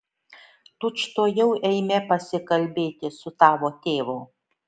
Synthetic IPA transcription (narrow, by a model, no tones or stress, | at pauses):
t̪ʊt͡ʃt̪oːjɛʊʔɛɪmʲɛpɐsʲɪkɐlʲbʲeːt̪ʲɪsʊt̪ɑːʋoːt̪ʲeːʋoː